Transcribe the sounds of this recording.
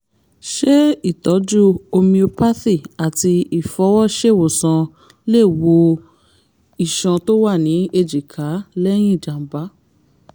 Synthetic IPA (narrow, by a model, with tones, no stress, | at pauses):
ʃe˦i˦˨tɔ˨˦d͡ʒu˦o˧mĩ˧o˧pa˦θi˦˨a˨ti˧i˨fɔ˨˦wɔ˦ʃe˦˨wo˨sã˧ | le˦˨wo˧ | i˨ʃã˧to˦wa˦˨nĩ˨˦e˧d͡ʒi˨kʰa˨˦lɛ˦j̃ĩ˦˨d͡ʒa˨m̩˨˦ba˨˦